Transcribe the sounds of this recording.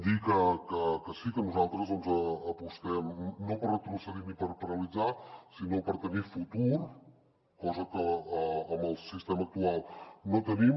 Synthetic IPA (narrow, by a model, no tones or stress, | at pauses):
d̪ikəkəkəsikənuzalˠt̪ɾəzðɔnzəːpust̪ɛmnopəɾət̪ɾusəðinipəɾpəɾəlid͡zasinopəɾt̪ənifut̪uɾ | kɔzəkəəːmbəlˠsist̪emək̚t̪ualˠnot̪ənim